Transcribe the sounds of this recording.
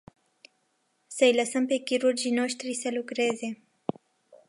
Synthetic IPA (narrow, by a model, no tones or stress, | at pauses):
sajlasəmpekiɾuɾd͡ʒinoʃt̪ɾiselukɾeze